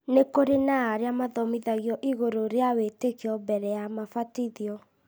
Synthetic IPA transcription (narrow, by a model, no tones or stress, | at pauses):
nekoɾenaːɾeamaðɔmiðaɣiɔʔiɣoɾoɾeawetekeɔbɛɾɛjamafatiðiɔ